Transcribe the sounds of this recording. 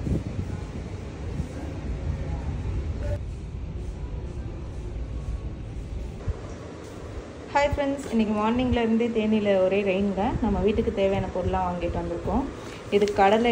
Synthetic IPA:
hɐɪfɾɛnsɪnːɪkʲːɯmaːɳnɪŋɡɐlɪɾɯnd̪ɯːt̪eːnɪlɐɔɾeːɾɐɪnɡɐnɐmːɐʋiːʈːɯkːɯt̪eːʋɐjaːnɐpoːɾlãːʋaːŋɡɪʈːɯʋɐnd̪ɪɾɯkːõ | ɪðɯkːɐɽɐlɐ

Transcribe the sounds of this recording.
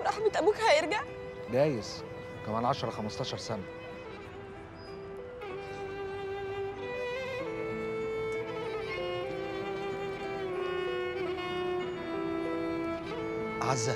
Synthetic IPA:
ɾˤɑħbet̪ʔæbuːkhæjeɾɡaʕ | ɡ̪æːjes | kæmæːnʕɑʃɑɾˤɑxæmɑst̪ɑːʃɑɾˤsænæ | ʕazːæ

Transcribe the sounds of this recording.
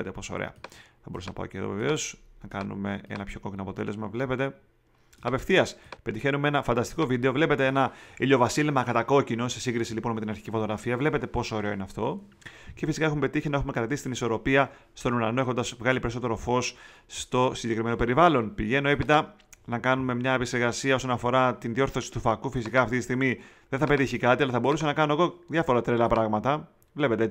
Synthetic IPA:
et̪epo̞so̰ɾḛɐ̰θɐbo̞ɾusenɐpɐ̰o̰ceðo̰vevḛosɐŋkɐnṵme̞e̞̰nɐpço̞ko̞cinoɐpo̞t̪e̞le̞zmɐvle̞pe̞t̪e̞ | ɐpe̞fθiɐspe̞t̪içe̞numee̞nɐfɐnd̪ɐst̪i̥ko̞vid̪e̞ovle̞pe̞t̪e̞enɐilo̞vɐsilemɐkɐt̪ɐko̞cino̞sesiŋɡɾisilipo̞nmet̪inɐɾçi̥cifo̞t̪o̞ɣɾɐfiɐvle̞pe̞t̪e̞po̞soːɾe̞oinɐft̪o̞ | ce̞fisi̥kɐe̞xumepe̞t̪içinɐexume̞kɐt̪ɐɾt̪isi̥t̪iniso̞ɾo̞piɐ | st̪o̞nuɾɐnoexond̪ɐzvɣɐlipe̞ɾiso̞t̪e̞ɾo̞fo̞s | st̪o̞siɲɟe̞kɾime̞no̞peɾivɐlo̞npiʝe̞no̞e̞pit̪ɐ | nɐkɐnume̞mɲɐepikse̞ɾɣɐsiɐo̞so̞nɐfo̞ɾɐt̪inðio̞ɾθo̞si̥t̪ufɐkufisikɐːft̪it̪ist̪iɣmi | ðenθɐpe̞t̪içikɐt̪iɐlɐθɐbo̞ɾusɐnɐkɐnoɣo̞ðjɐfo̞ɾɐt̪ɾelɐpɾɐɣmɐt̪ɐ | vle̞pe̞t̪e

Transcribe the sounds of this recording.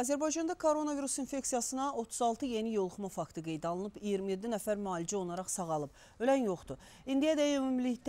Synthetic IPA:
ɑːzæɾbɑjd͡ʒɑnd̪ɑkʰoɾo̞naviɾusinfe̞ksijɑsɯnɑo̞t̪ʰuzɑlˠt̪ʰɯje̞nijo̞lˠχumɑfɑkt̪ʰɯɡe̞jd̪ɑlˠɯnɯpijiɾmije̞d̪ːinæfæɾmɑːlid͡ʒio̞nˠɑɾɑχsɑʁɑlˠɯp | ølænjo̞χt̪u | ind̪ijɑd̪æømymlikt̪

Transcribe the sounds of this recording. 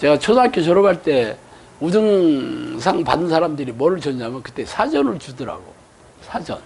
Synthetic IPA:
t͡ɕe̞ɡat͡ɕʰosakʰet͡ɕʌɾʌbaɭt͈e̞ | udɯŋs̬ʰaŋpa̰dɯnsʰaɾamdɯɾimʌɾɯɭt͡ɕʌɲamjʌnkɯ̥t͈e̞sʰad͡ʑʌnɯɭt͡ɕudʌɾa̰ɡo̰ | sʰad͡ʑʌ̰n

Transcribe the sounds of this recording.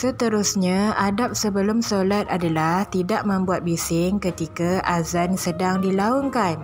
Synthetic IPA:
sət̪əɾʊsɲãadap̚səbəlʊmsolat̪̚adalaht̪idaʔ̚mə̃mbuat̪̚bisɪŋkət̪ikaʔazansədaŋdilaoŋkan

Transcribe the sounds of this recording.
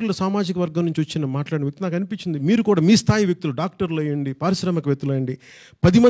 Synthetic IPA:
ulɐsaːmaːd͡ʒikɐʋɐɾɡɐmnuɲt͡ʃiʋɐt͡ʃːinɐmaːʈlaːɽinɐʋjɐkt̪unaːkɐnipiɲt͡ʃːind̪imiːɾukuːɽaːmiːst̪ʰaːjiʋjɐk̚t̪uluɖaːk̚ʈɐɾlɐjɐɳɖipaːɾiʃɾɐmɐkɐʋjek̚t̪ulɐjɐɳɖi | pɐd̪imɐ

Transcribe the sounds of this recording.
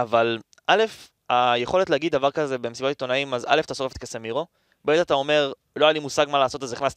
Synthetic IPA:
aval | ʔale̞f | ajeχo̞letleaɡid̪dːavaʁkazebemesibot̪it̪o̞naimaza̰lefat̪asoefet̪kesemiʁo̞ | bemetat̪ao̞me̞ʁ | lo̞ajalimusaɡmalaːso̞t̪azeiχnast

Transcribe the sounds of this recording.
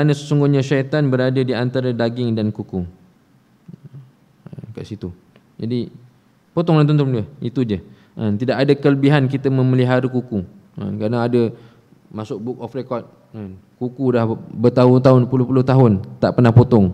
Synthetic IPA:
kɾanə̃səsuŋɡʊɲaʃat̪anbəɾadadiant̪aɾadaɡɪŋdankuku | ənka̰ʔsit̪u | d͡ʒadi | pot̪ɔŋdant̪unt̪ʊmdəit̪ud͡ʒə | ʔant̪idaʔkadakələbiɦankit̪əmə̃məliɦaɾəkuku | a̰nkɾanaadə | masʊk̚bʊk̚ɔfrekɔt̪̚ | an | kukulahbət̪aɦʊnt̪̬aɦʊnpulʊhpulʊht̪aɦʊnt̪aʔpərnahpot̪ɔŋ

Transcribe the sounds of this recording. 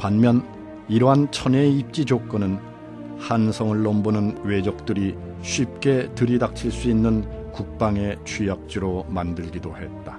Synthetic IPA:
panmjʌn | iɾʌɦant͡ɕʰʌneip̚t͡ɕ͈id͡ʑok͈ʌnɯn | hansʰʌŋɯɭːʌmbonɯnwe̞d͡ʑʌk̚t͈ɯɾi | ɕʰɥip̚k͈e̞tɯɾidak̚t͡ɕʰiɭs͈uinːɯnkuk̚p͈aŋe̞t͡ɕʰijak̚t͡ɕ͈iɾomandɯɭɡidohe̞t̚t͈ḁ

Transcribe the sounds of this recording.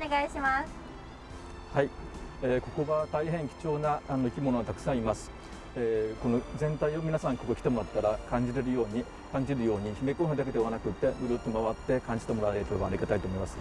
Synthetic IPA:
neɡaiɕimas | haieːko̞ko̞βat̪aiɦẽ̞ŋkʲi̥t͡ɕo̞ːnaʔanoikʲimo̞no̞βat̪akɯ̥sãɰ̃imasɨ̥ | eːko̞no̞zẽ̞nt̪aio̞mʲinasãŋko̞kokʲi̥t̪emo̞ɾat̪ːaɾakãɲ̟d͡ʑiɾe̞ɾɯ̟jo̞ːɲ̟i | kãɲ̟d͡ʑiɾɯ̟jo̞ːɲ̟içime̞ko̞ːɦɯ̟nd̪ak̬e̞d̪e̞β̞anakɯ̟t̪ːe̞bɯɾot̪ːomaβat̪ːe̞kãɲ̟d͡ʑi̥t̪emo̞ɾaɾeɾekʲobãːaɾʲiɡat̪ait̪omo̞imasɨ̥

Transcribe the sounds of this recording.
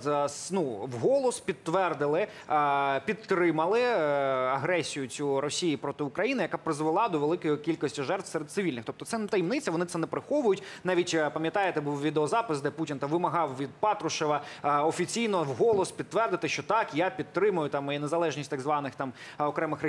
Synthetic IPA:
snuwɦɔlˠɔspʲid̪̚t̪ːʋɛrd̪ɪlˠɪ | pʲid̪t̪ːɾɪmɐlˠɪɐɦɾɛsʲijʊt͡sʲuɾɔsʲijipɾɔt̪ɪʊkɾɐjinɪjɐkapɾɪzʋelˠɑd̪ɔʋelˠɪkɔjikʲilʲkɔsʲtʲiʒɛrt̪ʋ̥sɛɾed̪t̪sɨʋʲilʲnɪxt̪ɔp̚t̪ɔt̪ɛnt̪ɐjimnɪt͡sʲɐʋɔnɪt̪sɛnɛpɾɪxɔʋʊjʊtʲnɑʋʲitʲpɐmʲjɐt̪ɑjet̪ɛbuwʋʲid̪eɔzɑpɪsd̪ɛputʲint̪ɑʋɪmɐɦɑwʋʲid̪̚pɑt̪ɾʊʃɛʋɐɔfʲit͡sʲijnɔwɦɔlˠɔspʲid̪t̪ːʋɛrd̪ɪt̪ɪʃt͡ʃɔt̪ɑkjapʲid̪̚t̪ɾɪmʊjʊt̪ɑminezɐlˠɛʒnʲisʲtʲt̪aɡzʋɑnɪxt̪ɑmɔkɾɛmɪxr

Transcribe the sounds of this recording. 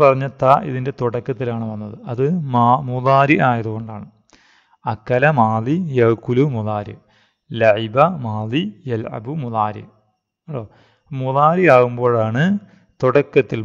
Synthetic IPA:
pɐrɐɲːɐt̪ːɐʔḭðinde̞t̪uɽɐkːɐt̪ːilaːɳɨʋɐnːɐðɨɐðɨmamuðaːɾiʔaːjɐðuɣo̞ɳɖaːɳɨ | ɐkːɐlɐmaːlijɐkːulumuðaːɾɨ̰ | lɐʕibɐmaːlijɐlʕɐ̰bumuðaːɾḭ | ɐlːoː | muðaːɾiaːɣumbo̞ːɭaːɳɨ | t̪uɽɐkːɐt̪ːil

